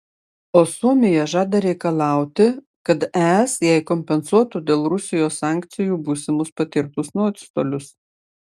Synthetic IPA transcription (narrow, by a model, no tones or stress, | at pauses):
oːsuɔmʲɪjɛʒɑːd̪ɐɾʲɛɪkɐlˠɑˑʊt̪ʲɪ | kɐt̪æsjɛɪkɔmʲpʲɛnsuɔt̪uːd̪ʲeːlˠɾʊsʲɪjoːssɑːˑŋʲkt̪sʲɪjuːbuːsʲɪmʊspɐt̪ʲɪɾt̪ʊsnuɔt̪ʲst̪oːlʲʊs